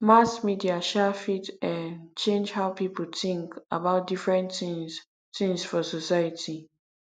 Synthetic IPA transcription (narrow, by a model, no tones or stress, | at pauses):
masmidiaʃɛfitɛ̃nt͡ʃẽnd͡ʒhaʊpipəl̩tĩŋka̰baʊt̚difɹɛ̃n | tĩŋsfɔsosajatʰi